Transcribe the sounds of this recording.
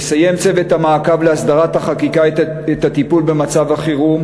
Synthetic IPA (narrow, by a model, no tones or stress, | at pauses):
saje̞mt͡se̞vet̪hamaːkavleasd̪aʁat̪haχakika | et̪at̪ipulbe̞mat͡savaχiʁum